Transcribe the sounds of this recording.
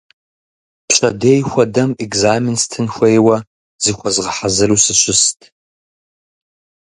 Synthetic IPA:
pɕʷʰʼadejxʷadamekʼzaminstʰɨnxʷejwa | zɨxʷazʁəħazɨrusɨʃʷʊstʼ

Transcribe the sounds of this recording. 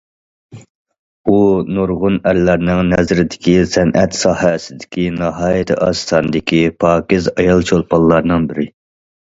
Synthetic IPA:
unuɾʁʊnæɾlæɾnɪŋnɛzɾɪd̪ɪkʲisɛnʔɛt̪sɑːhɛsɪd̪ɪ̥kʲinɑɦɑːjɪt̪ʰɪʔɑst̪ʰɑnɨd̪ɪkʲipʰɑːkʲɪzɑjɑlˠt͡ʃʰolˠpʰɑlˠːɑɾnɨŋbɪɾɪ

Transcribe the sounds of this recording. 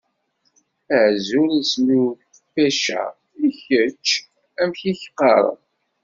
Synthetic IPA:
əʕzuɾislu | fæʃæ̰ | içət͡ʃː | æmçiçqːɑɾˤə̰ð

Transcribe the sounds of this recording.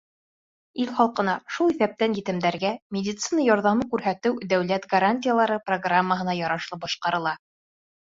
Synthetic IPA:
ilχɑlˠqɤ̆nɑʃulˠiθæp̚t̪ænjɘt̪ɘ̆md̪æɾɡæmʲedʲɪt̪sinəjɒɾðɑmɤkʉɾɦæt̪ɘwd̪æwlæt̪ɡɐɾanʲtʲɪjəlˠɑɾɤproɡramːəɦɤ̆nɑjɒɾɑʃlˠɤp̚bɑʃqɑɾɤ̆lˠɑ

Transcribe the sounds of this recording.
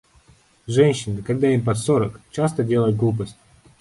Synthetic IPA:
ʐɛnʲɕːɪnɨkaɡd̪aimpɐt̪soɾəkt͡ɕast̪ədʲe̞lˠəjʊt̪̚ɡlˠup̬əsʲtʲ

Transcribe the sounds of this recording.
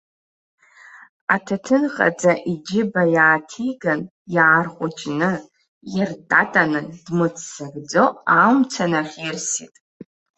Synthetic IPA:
atʰatʰɨnχʼa̰d͡zaʔid͡ʒɪbajaːtʰiɡan | jaːrqʷʼʊt͡ʃʼnɨ | jartʼatʼanɨndmɨt͡sʰʼsaɡd͡zoamt͡sʰanaχʲirsḭtʼ

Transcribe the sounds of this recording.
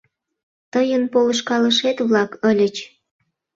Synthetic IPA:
t̪əjənpoləʃkɑləʃet̪βlɑkəlʲət͡ɕ

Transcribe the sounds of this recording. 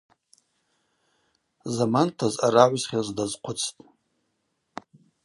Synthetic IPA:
zamantʰazaɾaʕʷzχʲazdazqʷʰʊt͡sʰtʼ

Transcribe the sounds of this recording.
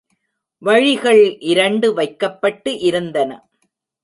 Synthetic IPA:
ʋɐɻɪɣɐɭʔɪɾɐɳɖɯʋɐɪkːɐpːɐʈːɯʔɪɾɯnd̪ɐnɐ̰

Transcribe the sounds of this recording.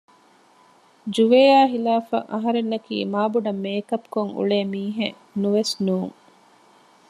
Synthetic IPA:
d͡ʒuʋeːjaːɦilaːfɐ̰ʔɐɦɐɾenːɐkḭːmaːbuɖɐmːeːkɐpkoŋṵɭeːmiːɦe | nuʋesnuːŋ

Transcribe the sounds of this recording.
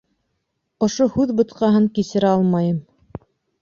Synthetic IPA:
ŏʃohʉðbɤ̆t̪̚qɑɦɤŋkisɘ̆ɾæɑlˠmɑjɤm

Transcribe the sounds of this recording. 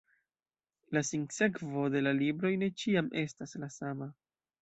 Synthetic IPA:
lasiŋse̞kvo̞de̞lalibɾo̞jne̞t͡ʃiamʔe̞staslasama

